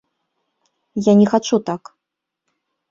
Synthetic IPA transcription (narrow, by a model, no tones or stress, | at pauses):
janʲɛxat͡ʂut̪ak